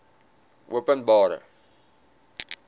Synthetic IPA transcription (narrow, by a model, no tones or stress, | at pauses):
ʔuəpənbɑːɾə̰